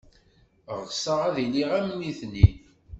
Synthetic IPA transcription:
ʁəsəʁæðiliʁæmniθni

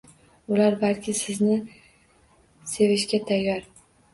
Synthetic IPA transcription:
ʊlaɾbalˠkʲʰɪsɪznɪ | se̞vɪʃɡʲat̪ʰajːaɾ

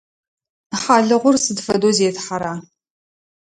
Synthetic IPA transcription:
ħaːɮɨʁʷʊrsɨdfɐdoːzeːtħaɾaː

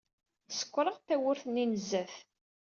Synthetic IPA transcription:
θəsə̥kʷːɾˤəʁθæwʊɾθnːinəzːæθ

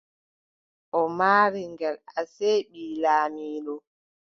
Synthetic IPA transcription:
ʔɔmaːɾiŋɡɛlaseɓiːlaːmiːlɔ

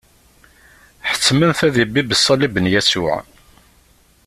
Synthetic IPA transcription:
ħə̥t͡sːmənθæðibːibəsˤːɑlibənjæsʊʕ

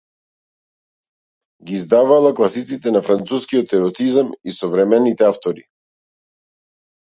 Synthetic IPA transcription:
ɡizd̪avalˠaklˠasit̪sit̪ɛnafɾant̪suskiɔt̪ɛɾɔt̪izamisɔvɾɛmɛnit̪ɛaft̪ɔɾi

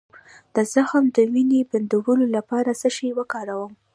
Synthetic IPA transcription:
d̪̥əzaxəmd̪əwineband̪uwəlolapɑɾasəʃiwəkɑɾawəm

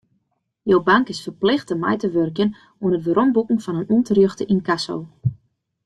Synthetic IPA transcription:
jowbaŋkɪsfərplɪxtəmɛ̰jtəʋørkjən | wənətʋəɾɔmbukŋ̩fɔnənuntərjøxtəʔinkaso̰w

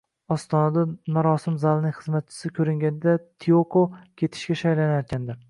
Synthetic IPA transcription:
ɒst̪ʰɒnad̪amaɾɒsɪmzalˠnɪŋχɨzmat̪̚t͡ʃʰɪ̥sɪkʲʰɵɾɪŋɡʲanɪd̪at̪ʰiokʰokʲʰe̞t̪ʰɪ̥ʃkʲaʃajlanajɒt̪̚kʲand̪ɪɾ

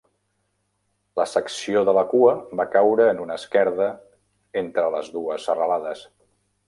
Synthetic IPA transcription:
ləsəksioðələkuəβakawɾəːnunəskɛɾðə | ent̪ɾələzðuəzərəlaðəs

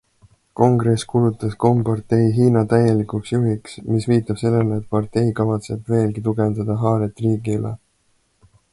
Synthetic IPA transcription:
ko̞ŋɡ̥ɾe̞skulut̪ːˑɑsko̞mpɑrt̪e̞jɦiːnɑt̪æje̞likuksjuɦiksmisviːt̪ːˑɑb̥se̞lːe̞leːt̪̚pɑrt̪e̞jkɑvɑt̪se̞bve̞ːlɡit̪uɡe̞nd̪ɑd̪̥ɑɦɑːɾet̪ːˑriːɡilḛ

